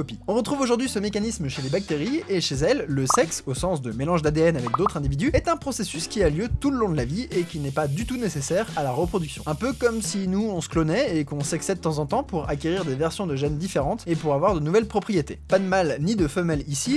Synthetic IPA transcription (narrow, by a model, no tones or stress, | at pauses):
ɔpiɔ̃ʁət̪χuvoʒuʁd̪ɥisəmekanisməʃelebak̚t̪eʁieʃezɛlːəsɛksosɑ̃sd̪əmelɑ̃ʒd̪ad̪eɛnavɛk̚d̪ot̪χɛ̃d̪ivid̪yɛt̪ɛ̃pχɔsesyskʲialjøt̪uləlɔ̃d̪əlaviekʲinɛpad̪yt̪unesesɛʁalaʁəpχɔd̪yksjɔ̃ɛ̃pøkɔmsinuɔ̃sklɔnɛekɔ̃sɛksɛd̪ət̪ɑ̃zɑ̃t̪ɑ̃puʁakʲeʁiʁd̪evɛʁsjɔ̃d̪əʒɛnd̪ifeʁɑ̃t̪epuʁavwaʁd̪ənuvɛlpχɔpχijet̪epad̪əmalnid̪əfəmɛlisi